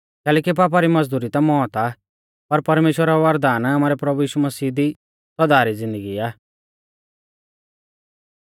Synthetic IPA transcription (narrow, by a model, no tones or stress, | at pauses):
kɛːlɛːkip̬aːp̬aɾimɐd͡zd̪uːɾit̪amɔːt̪a | pɐɾpɐɾmeːʃwəɾaʋɐɾd̪aːnamaːɾɛpɾɐbujiːʃumɐsiːd̪i | sɔd̪aːɾid͡zɪ̃nd̪əɡiaː